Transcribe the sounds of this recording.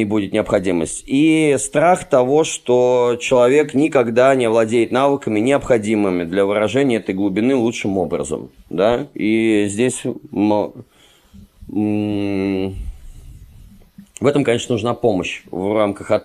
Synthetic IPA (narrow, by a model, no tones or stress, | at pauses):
ɪbudʲɪt̪nʲɪɐpxɐdʲimə̰sʲtʲist̪ɾaxt̪ɐvo̞ʂt̪ot͡ɕɪlˠɐvʲeknʲɪkɐɡd̪anʲɪɐvlˠɐdʲejɪt̪navɨkəmʲɪnʲɪɐpxɐdʲimɨmʲɪd̪lʲɐvɨɾɐʐɛnʲɪəɛt̪əjɡlˠʊbʲɪnɨlˠutʂɨmo̞bɾə̰zə̰md̪aizʲdʲesʲm | vɛt̪əmkɐnʲe̞ʂnənʊʐnapo̞məɕvramkəxɐ